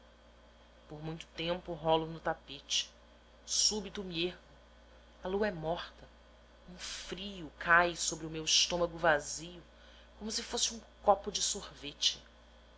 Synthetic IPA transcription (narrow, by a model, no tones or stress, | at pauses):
poɾmũj̃t̪ʊ̥t̪ẽmpʊɦɔlʊnʊt̪apet͡ʃɪ̥ | subit̪ʊmiehmʊ | ɐluɐɛmɔχt̪ɐ | ũfɾijʊkʰajsobɾɪʊmewɪʃt̪õmɐɡʊvazijʊ | kõmʊsɪfosɪũkɔpʊd͡ʒɪsohvet͡ʃɪ